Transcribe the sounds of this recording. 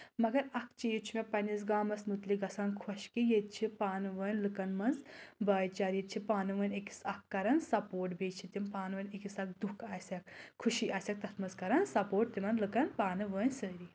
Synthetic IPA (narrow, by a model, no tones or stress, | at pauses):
mɐɡɐɾɐkt͡ʃijet͡ʃʰumẽpɐnizɡaːmɐsnut̪liɡɐsaːnkʰɔʃkijet̪̚t͡ʃʰipaːnɨʋəːnʲlɨkɐnmɐnzbɐːjt͡ʃaːɾjet̪̚t͡ʃʰipaːnɨʋəːnʲeki̥sɐkːɐɾɐnsɐpoːʈbeːt͡ʃʰit̪impaːnʋəːnʲekisɐk̚d̪ukʰaːsʲɐk̚kʰːuʃiʔaːsʲɐk̚t̪ɐt̪ʰmɐzkɐɾɐnsɐpoːʈ̚t̪imɐnlɨkɐnpaːnɨʋəːnʲsəːɾi